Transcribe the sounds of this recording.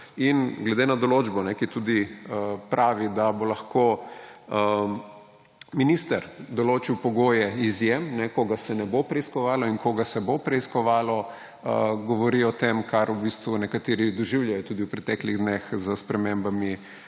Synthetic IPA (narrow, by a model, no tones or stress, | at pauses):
inɡlɛd̪enad̪ɔloːd͡ʒbɔnɛkit̪uːd̪iəpɾʔaːʋid̪abolɐxko | ə | minist̪əɾd̪ɔloːt͡ʃiwpɔɡoːjɛizjemnɛkoɡasɛnɛbopɾɛiskɔʋaːlɔinkoɡasɛbopɾɛiskɔʋaːlɔ | əɡɔʋɔɾiɔt̪emkʰaɾubist̪ʋunɛkat̪eːɾid̪ɔʒiwljajɔt̪uːd̪iwpɾɛt̪ɛkliɣd̪nexzəspɾɛmembami